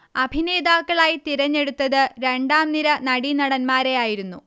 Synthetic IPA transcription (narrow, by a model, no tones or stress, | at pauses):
ɐbʱineːd̪aːkːɐɭaːjit̪iɾɐɲːe̞ɽut̪ːɐðɨɾe̞ɳɖaːmniɾɐnɐɽinɐɽɐnmaːɾe̞jaːjiɾunːu